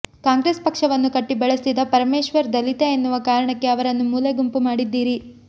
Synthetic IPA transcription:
kaːŋɡɾeːspɐkʂɐʋɐnːukɐʈːibɛɭesid̪ɐpɐɾɐmeːʃʋɐɾd̪ɐlit̪eːnːuʋɐkaːɾɐɳɐkːe̞ɐʋɐɾɐnːumuːleɡumpumaːɽid̪ːiːɾi

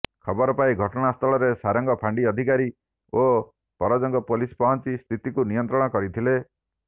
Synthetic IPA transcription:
kʰɔbɔɾɔpaĩɡʱɔʈɔɽ̃ast̪ʰɔɭɔɾesaɾɔŋɡɔpʰaɳɖiɔd̪ʱikaɾi | o | pɔɾɔd͡ʒɔŋɡɔpolispɔɦɔnt͡ʃist̪ʰit̪ikunijɔnt̪ɾɔɽ̃ɔkɔɾit̪ʰile

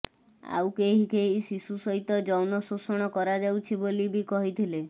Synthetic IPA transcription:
a̰wkeɦikeɦisisusɔɦit̪ɔd͡ʒɔwnɔsosɔɽ̃ɔkɔɾad͡ʒawt͡ʃʰibolibikɔɦit̪ʰile

